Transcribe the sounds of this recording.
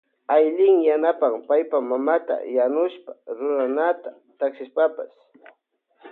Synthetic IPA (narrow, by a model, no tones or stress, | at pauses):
ajʎɪŋjanapampajpamamat̪a̰janʊʃpḁɾʊɾanat̪a | t̪aksɪspapas